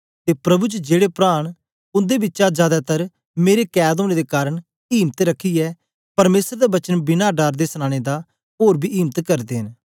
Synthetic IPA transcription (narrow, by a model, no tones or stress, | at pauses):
t̪eːpɾɐbut͡ʃd͡ʒeːɽepɾaːɽ̃ | ʊ̃nd̪ebɪtːʃad͡ʒjaːd̪at̪ɐɾ | meːɾekɛːd̪oːɽ̃ed̪ekaːɾəɽ | iːmət̪ɾəkʰːiɛː | pɐɾmeːsəɾd̪ebɐt͡ʃənbɪnaɖaːɾd̪esəñãːɽ̃ed̪a | ɦoːɾbʱiːʔiːmət̪kɐɾd̪eːɦən